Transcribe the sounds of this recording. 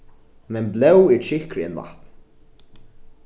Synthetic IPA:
mɛnblɛwɛɹt͡ʃɪhkɾɪɛ̰nva̰ht̪n

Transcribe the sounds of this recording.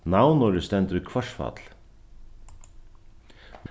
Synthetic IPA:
nawnɔɾɪst̪ɛnt̪əɾikʰvœʂfa̰t̪l̥

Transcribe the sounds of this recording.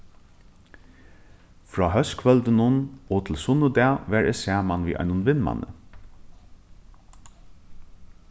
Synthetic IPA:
fɹɔːɦœskʰʋœlt̪ənʊnɔt̪ʰɪlsʊnʊd̪ɛaʋæɹɛ̰sæːmanʋḭːʔa̰ɪnʊnʋɪnma̰nə̰

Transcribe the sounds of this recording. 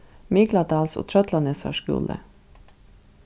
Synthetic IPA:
mɪɡlɑd̪ɑːlso̰ːt̪ʰɾœt̪lɑnesɑ̰ʃɡṵːlə̰

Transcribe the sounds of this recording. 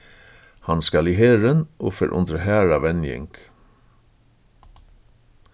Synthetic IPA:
hɑnskɑliːheːɹənʔoːfœɾʔʊ̰nd̪ɹəhæːɹɑʋɛnjɪ̰ŋk

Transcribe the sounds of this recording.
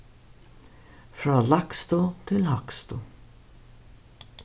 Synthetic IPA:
fɾɑːlɑkst̪ʊt̪ʰɪlhakst̪ʊ

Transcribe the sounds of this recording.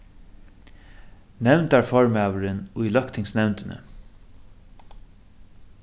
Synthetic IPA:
nɛwnt̪aɹfɔɹmæːʋəɾɪnʊjlœkt̪ʰɪŋsnɛwnt̪ɪnʔə̰

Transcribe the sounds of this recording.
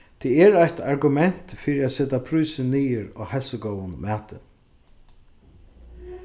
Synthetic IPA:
t̪ʰɛːɛɾajt̪ʰaɾɡʊmɛn̥t̪fiːɾiæt̪sɛt̪apʰɾuːsɪniːɪɾɔ̰ːhɛlsʊɡɔwənmæːt̪ɪ̰n

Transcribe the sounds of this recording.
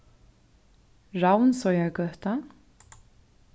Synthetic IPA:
ɹawnsɔjakœht̪an

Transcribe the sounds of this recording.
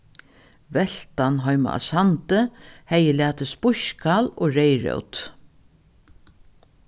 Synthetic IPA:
vɛɬt̪anɦɔjma̰ʔa̰sant̪əhɛjəlæːt̪əspʊʃkaloːɾɛjɹœ̰wt̪

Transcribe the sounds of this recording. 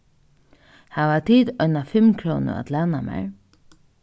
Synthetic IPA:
haʋat̪ʰiːt̪ɔnafɪmkʰɾoːnʊ̰a̰t̪laːnamɛ̰ɹ

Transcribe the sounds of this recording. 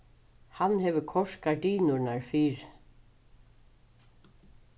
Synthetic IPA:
hanːhɛvʏkʰɔʂkad̪iːnʊɹnaɹfiːɾ

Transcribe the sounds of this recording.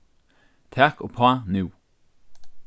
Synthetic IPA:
t̪ʰækopʰɑnʉː

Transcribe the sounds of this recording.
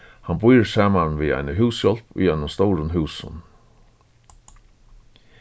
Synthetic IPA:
hanbujəsaːmanʋiːa̰ɪnəɦʉːsjɔl̥pʊ̰jɛnəmst̪ɔwɾənɦʉːsə̰n

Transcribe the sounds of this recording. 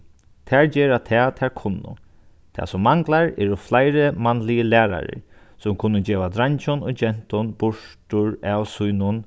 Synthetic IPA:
t̪ʰɛːɹd͡ʒɛːɾat̪ʰɛːt̪ʰɛːɹkʰʊnːʊ̰ | t̪ʰa̰sʊmːaŋklaɹɛɾʊflajɾɪmanːlɪjəlæːɾa̰ɾɪ̰ɹ | sʊmkʰʊnːʊd͡ʒɛːʋad̪ɾaɲt͡ʃʊnɔd͡ʒɛn̥t̪ʊnbʊʂʈʊɹawsujnʊn

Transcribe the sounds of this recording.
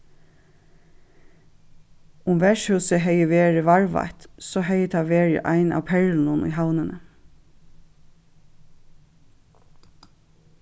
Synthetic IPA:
ʊmʋɛʃhʉːsəɦɛjəʋeːɹɪʋɑɹʋa̰t̪sɔːɦɛjət̪ʰɑʋeːɹɪ̰ʔɑ̰ɪna̰ːʋpʰɛɹln̩ʊnʏ̰ːɦawnənə

